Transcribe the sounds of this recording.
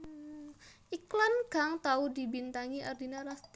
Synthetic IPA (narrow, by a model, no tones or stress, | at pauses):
ʔiklanɡaŋt̪audibint̪aŋiʔardinaɾast̪